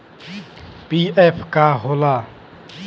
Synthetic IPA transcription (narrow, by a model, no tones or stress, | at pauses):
piːɛːpʰkaɦoːlaː